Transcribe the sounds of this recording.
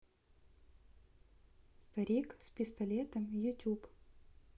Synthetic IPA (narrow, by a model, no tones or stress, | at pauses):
st̪ɐɾʲikspʲɪst̪ɐlʲet̪əmjʊtʲup